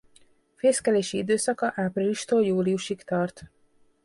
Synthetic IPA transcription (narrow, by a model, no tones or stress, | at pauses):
feːskɛleːʃiid̪øːsɒkɒʔaːpriliʃt̪oːljuːliuʃikt̪ɒrt̪